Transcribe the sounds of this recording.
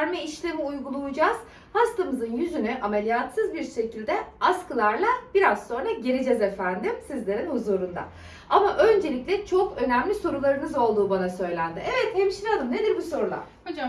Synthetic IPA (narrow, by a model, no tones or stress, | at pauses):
ɾmiiʃlʲemiujɡulˠujud͡ʒaz̥ | hast̪ˠamɯzɯnjyzynyʔamelʲijat̪sɯzbiɾʃe̞cilʲd̪ɛaskɯlˠaɾlˠab̥iɾazso̞nɾaɟeɾid͡ʒɛzefænd̪imsizlʲe̞ɾinhuzuːɾund̪a̰ | amaʔø̞nd͡ʒe̞lʲiclʲɛt͡ʃʰo̞kø̞næmlʲiso̞ɾulˠaɾɯnɯzo̞lˠd̪uːbanasø̞jlʲænd̪iʔevɛt̪hemʃinad̪ˠɯmned̪iɾbuso̞ɾulˠa̰